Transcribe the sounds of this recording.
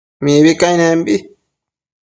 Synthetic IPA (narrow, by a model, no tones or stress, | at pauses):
mĩːbikajnẽmbi